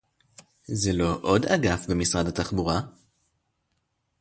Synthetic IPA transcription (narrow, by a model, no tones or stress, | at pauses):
zelo̞ʔo̞da̰ɡafbemisʁadat̪aχbuʁa